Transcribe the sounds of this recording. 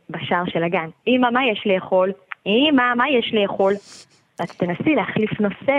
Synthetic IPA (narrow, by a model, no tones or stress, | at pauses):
baʃaʁʃelaɡanimamajeʃle̞ːχo̞limamajeʃle̞ːχo̞l | vat̪ḁtenasileaχlifno̞se